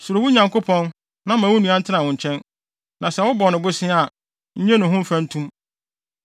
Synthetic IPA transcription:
sʊ˨ɾo˨wu˦ɲã˨ŋko˦pʰɔ̃˦n | nã˦mã˨wʊ˦nũ˨˦ã˦n̩˦tʰɪ˦nã˨ʊ̃˨ɲ̩˨t͡ɕʰɛ̃˦n | nã˨sɛ˨˦wʊ˦bɔ˨nɪ̃˨bʊ˦sɪ̃˦a˨ | ɲ̩˦ɲɛ̃˦nʊ̃˨ɦʊ̃˦m̩˦fã˦n̩˦tʰũ˦m

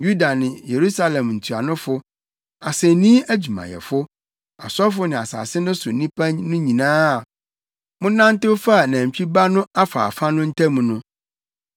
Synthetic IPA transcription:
ju˦da˨nɪ̃˨je˨ɾu˦sa˦lɛ̃˨mn̩˨tʰu˨a˨nʊ̃˦fʊ˦ | a˨sɛ˨nĩ˦æ˦d͡ʑᶣu˨mã̰˨jɛ̰˨fʊ˦ | a̰˨sɔ˦fʊ˦nɪ̃˨a˨sa̰ː˨sɪ˦nʊ̃˦sʊ˨nĩ˦pʰã˦ɲnʊ̃˦ɲĩ˨nãː˦˨ | mʊ̃˦nã˦n˦tɪ˦fa˦˨næ̃˨m˨t͡ɕᶣi˦ba˦nʊ̃˦a˦fa̰ː˨fa˦nʊ̃˦n̩˦tʰɛ̃˦mũ˨nʊ̃˦

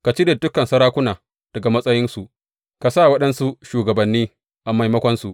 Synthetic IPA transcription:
ka˨t͡ʃi˦da˨dʊ˦kɐ˨nsɐ˦ɾaː˦kʷʊ˦naː˨ | d̥ɐ˨ɡa˨mɐ˦sʼɐ˦jɪ˦nsu˨ʔ | ka˨sa˦˨wɐ˦ɗɐ˦nsu˦ʃuː˨ɡɐ˨bɐ˨nːiː˦ | ʔa˨ma˨jmɐ˦kʷɔ˦nsu˨ʔ

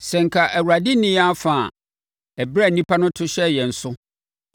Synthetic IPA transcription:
sɛ˨ŋ̩˨kʰa˨ʔæ˨wu˨a˨dɪ˦nɪ̃˦a˦fa˨ | æ˨bɾa˦˨nĩ˦pʰa˦nʊ̃˦tʰʊ˦ɕɛ˦jɛ˨n̩˨sʊ˦

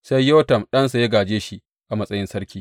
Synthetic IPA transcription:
sa˦jːo˦tɐ˨mɗɐ˦ns̬a˨ja˦ɡaː˨d͡ʒeː˦ʃi˦ | ʔa˨mɐ˦sʼɐ˦jɪ˦nsɐ˦ɾkʲiː˦

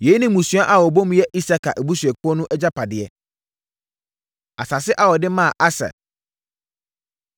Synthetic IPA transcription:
je˨˦i˦nɪ̃˦mũ˨su˦a˦ʔa˨wɔ˨bõ˦m̃˦jɛ˦ʔi˦sa˦kʰa˨ʔæ˨bu˦sɥɛ˨kʊ˦ɔ˦nʊ̃˦ʔɛ˦d͡ʑa˦pʰa˨dɪ˨ɛ˨ | a˨sa˨sɪ˦ʔa˦wɔ˨dɪ˦mã˦˨ʔa˦sa̰˨

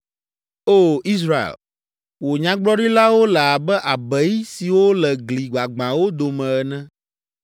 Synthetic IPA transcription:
o˦˨i˦s̬ɾa˨ḛ˨l | wo˨ɲã˦ɡ͡blɔ˦ɖi˦la˦wo˦lɛ˨a˨bɛ˦ʔa˨bɛ˨˦ji˦si˨wo˦lɛ˨ɡli˨ɡ͡ba˨ɡ͡bã˨wo˦d̪o˨mɛ̃˨ɛ˨nɛ̃˦

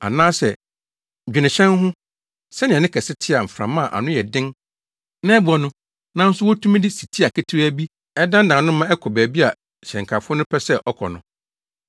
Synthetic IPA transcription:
a̰˨nãː˦sɛ̰˨ | d͡ʑᶣi˨nɪ̃˨ɕɛ̃˦nɦʊ̃˦ | sɛ˦nɪ̃˨ɛ˨nɪ̃˦kʰɛ˨sɪ˦tʰɪ˦a˨m̩˨fɾã˨mã˦˨ʔa̰˨nʊ̃˦jɛ˨dɪ̃˦n | nɛ̃˦bu˦ɔ˨nʊ̃˦ | nã˦n̩˦sʊ˦wɔ˦tʰũ˦m̃˦dɪ˦si˨tʰi˦a˨kʰɛ˦tʰi˦ɾæ˦bi˦ | ɛ˦dã˦n̩˦dã˨nʊ̃˦mã˦ɛ˦kʰɔ˨bæː˨bi˦a˨ | ɕɛ̃˨ŋ˨kʰa˨fʊ˦ɔ˦nʊ̃˦pʰɛ˦sɛ˦ʔɔ˦kʰɔ̰˨nʊ̃˨

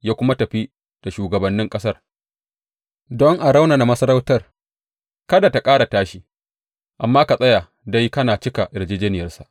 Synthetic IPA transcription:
jaː˦kʷʊ˦ma˦tɐ˨ɸi˦ | d̥a˨ʃuː˨ɡɐ˨bɐ˨nːɪ˦ŋkʼɐ˦sɐ˦˨r | dɔ˦ŋʔa˨ɽa˦wna˨na˨mɐ˦sɐ˦ɾa˦wtɐ˦r | kɐ˦da˨ta˨kʼaː˦ɽa˨taː˦ʃi˦ | ʔa˨mːaː˦ka˨sʼɐ˦ja˨ | da˦jkɐ˦naː˨t͡ʃɪ˦ka˨ʔɪ˨ɾd͡ʒeː˦d͡ʒɛː˦nɪ˨jɐ˦rsa˨ʔ

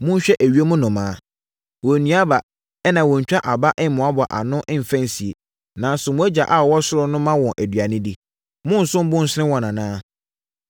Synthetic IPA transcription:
mʊ̃˦ɕᶣɛ˦ʔæ˨ɥi˦e˦mʊ̃˦nʊ̃˨mãː˨˦ | wɔ˨nĩ˨˦a˦ba˨ | ɛ˦nã˨wɔ̃˨ɲ̩˨t͡ɕᶣa˦ʔa˨ba˦ʔɪ˦m̩˨mʊ̃˨a˦bɔ˨ʔa̰˨nʊ̃˦ʔɪ̃˦m̩˨fæ̃˦n˨si˨e˨ | nã˨n˦sʊ˨mʊ̃˨˦æ˦d͡ʑa˨ʔa˨wɔ˦sʊ˦ɾʊ˦nʊ̃˦mã˦wɔ̃˨ʔæ˨dɥa˨nɪ̃˦di˦ | mʊ̃˦n̩˨sʊ̃˦m˦bʊ̃˦n̩˨sɪ˦nɪ̃˦wɔ̃˨nã˨nãː˦

